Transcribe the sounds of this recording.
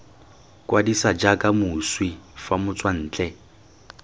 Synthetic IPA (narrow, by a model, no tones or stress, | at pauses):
kʼwadisad͡ʒakʼamʊswifamʊt͡sʼwan̩ːt͡ɬʼɛ